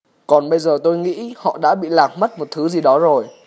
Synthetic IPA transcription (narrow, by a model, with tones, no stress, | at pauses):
kɔ˨˩nɓə˧jzəː˨˩t̪o˧jŋḭ˧˥hɔ̰˧˨ɗa̰ː˧˥ɓḭ˧˨laː˨˩k̚ma˦˥t̚mo˨˩t̚t̪ʰɨ˨˦zi˨˩ɗɔ˨˦zo˨˩j